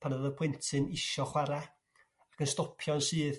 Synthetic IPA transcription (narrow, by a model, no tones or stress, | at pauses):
pʰanəðəpʰwɪntʰɨnɪʃɔχwaɾa | akənstɔpʰjɔnsɨːð